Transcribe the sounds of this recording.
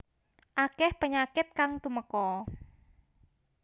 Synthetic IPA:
ʔakɛhpəɲakɪt̪̚kaŋt̪uməkɔ

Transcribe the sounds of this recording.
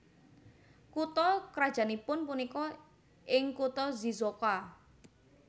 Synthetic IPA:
kut̪ɔkɾad̥ʒ̥anipʊnpunikɔ | ʔɪŋkut̪ɔzizoka

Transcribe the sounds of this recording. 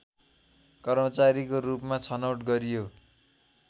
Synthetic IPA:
kʌrmʌt͡saɾikorupmat͡sʰʌnʌwʈɡʌɾijo

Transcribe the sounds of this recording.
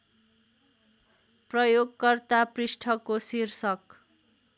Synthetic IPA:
prʌjoɡkʌrt̪aprisʈʰʌkːosirsʌk

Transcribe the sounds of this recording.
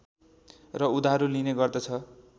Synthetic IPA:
rʌud̪aɦʌɾulineɡʌrd̪ʌt͡sʰʌ

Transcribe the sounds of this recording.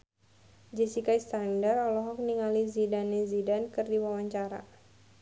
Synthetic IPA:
d͡ʒɛsikaist̪andarɔlɔɦɔk̚niŋalizidanezidankɨrdiwawaɲt͡ʃaɾa̰

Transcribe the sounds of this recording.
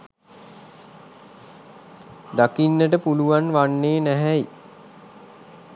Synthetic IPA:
d̪akinːəʈəpuluʋanʋanːeːnæɦæi

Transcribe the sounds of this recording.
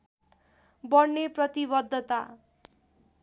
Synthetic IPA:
bʌɽneprʌt̪ibʌd̪ʱːʌt̪a

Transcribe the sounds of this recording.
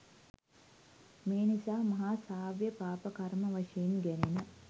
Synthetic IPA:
meːnisaːmɐɦaːsaːʋjəpaːpəkarməʋaʂejinɡænenə

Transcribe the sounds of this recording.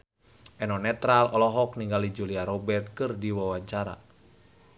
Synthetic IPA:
ʔɛnɔnɛt̪ɾalɔlɔɦɔk̚niŋɡalid͡ʒuliaɾɔbɛrt̪̚kɨrdiwawat͡ʃaɾa̰

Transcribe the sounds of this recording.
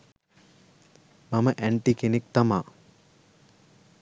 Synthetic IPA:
maməʔæɳʈikenek̚t̪amaː

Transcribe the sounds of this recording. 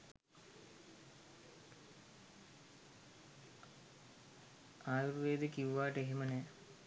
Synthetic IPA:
aːjuɾʋeːd̪əkiʋʋaːʈəeɦemənɛː

